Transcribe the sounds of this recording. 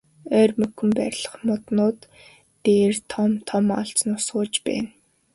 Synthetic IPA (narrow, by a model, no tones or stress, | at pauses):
œːrmɵkɵ̆mpæɾʲɮə̥̆χmʊt̪nʊːt̪ː | eːrt̪ʰɔmt̪ʰɔmɔ̰ɬt͡snʊsɢʊːt͡ɕpæ̰ːn